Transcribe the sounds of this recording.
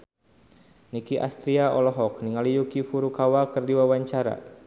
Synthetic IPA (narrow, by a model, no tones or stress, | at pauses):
nikiʔa̰st̪ɾiaɔlɔɦɔk̚niŋalijukifuɾukawakɨrdiwawaɲt͡ʃaɾa̰